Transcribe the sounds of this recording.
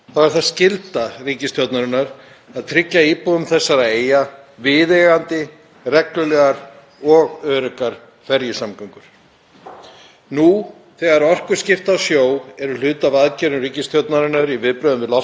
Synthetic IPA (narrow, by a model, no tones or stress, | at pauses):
θavɛɾ̥θaðscɪlt̪ariːcɪst̪jɔwt̪naɾɪnaɾ | aðt̪ʰɾɪcːaiːpuʏmθɛsːaɾaeːjavɪðeːɣant̪ɪ | rɛklʏlɛːɣaɾ | ɔɣœːɾʏkaɾ̥ | fɛɾjɪsamkaŋkʏɾ̥ | nu | θɛɣaɾɔr̥kʏɾ̥scɪft̪awsjoːwɛɾʏl̥ʏːt̪avaðcɛɾnʏriːcɪst̪jɔwt̪naɾɪnaɾivɪðpɾœːðʏmvɪlɔ